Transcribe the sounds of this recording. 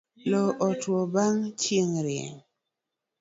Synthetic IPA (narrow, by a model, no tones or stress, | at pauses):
lɔʔɔtwobaŋt͡ʃiŋɾɪḛŋ